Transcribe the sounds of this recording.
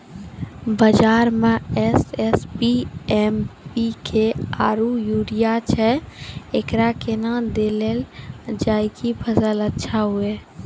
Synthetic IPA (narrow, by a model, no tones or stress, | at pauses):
bəd͡ʒaːɾmẽɛsɛspiɛmpikʰeaːɾujuːɾijat͡ʃʰɛekɾakenad̪eːleld͡ʒaːikipʰəsələtːʃʰaɦʊeː